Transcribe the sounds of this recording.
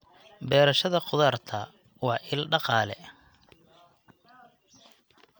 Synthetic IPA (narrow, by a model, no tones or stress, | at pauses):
bɛːɾɐʃɐðɐqʊðaːrt̪ʰɐ | wɑːʔɪlɖɑqɑːlɛ̰